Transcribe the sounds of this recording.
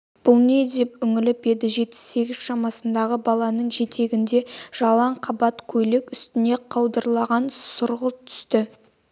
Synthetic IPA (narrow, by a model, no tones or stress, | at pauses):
b̥ʊlˠne̞d̪epʏŋɪlɪbe̞d̪ɪʒe̞t̪̚ːɪ̥se̞ɡʲɪz̥ʃɑmɑsənd̪ɑʁəbɑlˠɑnəɴʒe̞t̪ʰe̞ɡʲɪnd̪e̞ʒ̥ɑlˠɑɴqʰɑbɑt̪kʲʰɵjlekʏst̪ɪne̞qʰɑwd̪əɾlˠɑʁɑnsʊɾʁət̪ʰʏ̥st̪ɪ